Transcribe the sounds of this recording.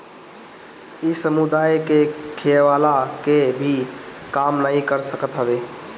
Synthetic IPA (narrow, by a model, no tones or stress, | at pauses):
isəmud̪ajkekʰeʋalakebʱi | kamnəĩkəɾsəkət̪ɦəbe